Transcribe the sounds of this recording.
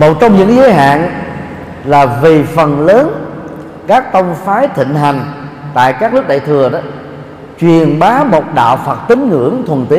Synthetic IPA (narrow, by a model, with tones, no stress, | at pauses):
mo˨˩t̚t͡ɕɔ˧wŋ͡mɲɨ̰˧˥ŋzəː˨˦jɦa̰ː˧˨n | laː˨˩vi˨˩fə˨˩nləː˨˦n | kaː˦˥k̚t̪ə˧wŋ͡mfaː˨˦jt̪ʰḭ˧˨ŋ̟ɦa˨˩jŋ̟t̪a̰ː˧˨jkaː˦˥k̚lɨ˦˥k̚ɗə̰ː˧˨t̪ʰɨ˨˩əɗɔ˨˦ | t͡ɕwi˨˩ənɓaː˨˦mo˨˩t̚ɗa̰ː˧˨wfaː˨˩t̚t̪i˨˦ŋŋɨ̰˧˥əŋt̪ʰwə˨˩nt̪i˨˦